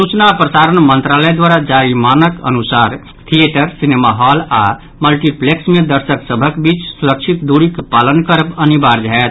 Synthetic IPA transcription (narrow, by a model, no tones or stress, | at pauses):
sut͡ʃnapɾəsaɾənmənt̪ɾaləjd̪waɾad͡ʒaɾimanəkə̰nusaɾ | t̪ʰieʈəɾsinemaɦala̰ | məlʈipleksmed̪əɾsəksəbʱəkbit͡ʃsuɾəkt͡ʃʰit̪d̪uɾikpalənkəɾəbənibaɾd͡ʒaet̪